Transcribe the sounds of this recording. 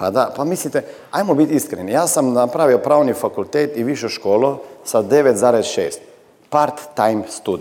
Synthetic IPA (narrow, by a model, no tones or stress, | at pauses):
pad̪apamislit̪e | ajmobit̪iskɾenijaːsamnapɾaʋiopɾaːonifakult̪eːt̪iʋiʃoʃkoːlosad̪eʋet̪zaːɾezʃḛːst̪ | paɾt̪ːajmst̪ud̪